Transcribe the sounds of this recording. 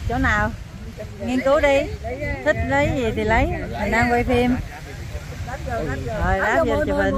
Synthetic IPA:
t͡ɕo˨˦naː˨˩w | ŋi˧ənkɨ˨˦wɗi˧t̪ʰï˦˥k̚lə˨˦jzi˨˩t̪ʰi˨˩lə˨˦ja˨˩nʔaː˧mkwa˧jfʰi˧m | oː˨˩jɗaː˨˦˥zə˧t͡ɕɔ˨˧˩və˨˩n

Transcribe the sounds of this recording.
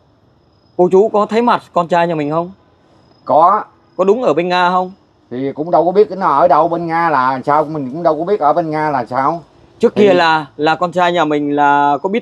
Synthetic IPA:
ko˧t͡ɕu˨˦kɔ˨˦t̪ʰa˨˦jma˨˩t̚kɔ˧nt͡ɕaː˧jɲaː˨˩mï˨˩ŋ̟hə˧wŋ͡m | kɔ˨˦ | kɔ˨˦ɗʊ˨˦ŋ͡mʔəː˧˩ɓe˧nŋaː˧hə˧wŋ͡m | t̪ʰi˨˩kʊ̰˧˥ŋ͡mɗə˧wkɓi˦˥ət̚kə˨˦nɔ˨˦ʔəː˧˩ɗə˨˩wɓe˧nŋaː˧laː˨˩a˨˩msaː˧wmï˨˩ŋ̟kʊ̰˧˥ŋ͡mɗə˧wkɔ˨˧˦ɓi˦˥ət̚ʔəː˧˩ɓe˧nŋaː˧laː˨˩msaː˧w | t͡ɕɨ˦˥əkːi˧əlaː˨˩laː˨˩kɔ˧nt͡ɕaː˧jɲaː˨˩mï˨˩ŋ̟laː˨˩kɔ˨˦ɓi˦˥t̚

